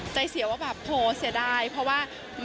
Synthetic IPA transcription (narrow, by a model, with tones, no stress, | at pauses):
t͡ɕa˧jsi˨˩˦waː˥˩bɛː˨˩p̚hoː˨˩˦si˨˩˦daː˧˩jpʰɾɔ˦˥waː˥˩ | m